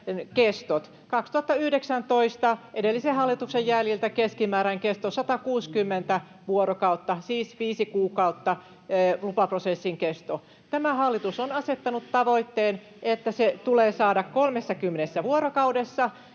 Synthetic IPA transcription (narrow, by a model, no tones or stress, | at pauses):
kest̪ot̪ | kɑkst̪uɑt̪ːɑyhdeksænt̪oist̪ɑʔedelːisehɑlːit̪uksejjæljilt̪ækeskimæːɾæŋkest̪osɑt̪ɑkuːskymːent̪æ | ʋuoɾokɑut̪ːɑsiːsʋiːsikuːkɑut̪ːɑ | lupɑprosesːiŋkest̪o | t̪æmæhɑlːit̪usonɑset̪ːɑnut̪tɑʋoit̪ːeːn | ʔet̪ːæset̪uleːsɑːdɑkkolmesːɑkymːenesːæʋuoɾokɑuwdesːɑ